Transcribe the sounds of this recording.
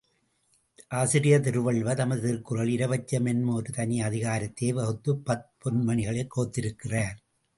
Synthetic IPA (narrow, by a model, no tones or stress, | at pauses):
ʔaːsɪɾɪjɐt̪ɪɾɯʋɐɭʋɐt̪ɐmɐðt̪ɪɾkɯrɐɭɪɾɐʋɐt͡ʃːɐmɛnmoːɾɯt̪ɐnɪɐðɪɣaːɾɐt̪ːeːʋɐɣɯt̪ːɯpːɐt̚pɔnmɐnɪɣɐɭɐɪkːoːt̪ːɪɾɯkːɪraːɾ